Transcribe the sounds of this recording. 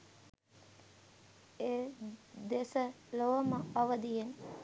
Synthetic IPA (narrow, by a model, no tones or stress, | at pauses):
eːd̪esə | loʋəməoʋəd̪ijen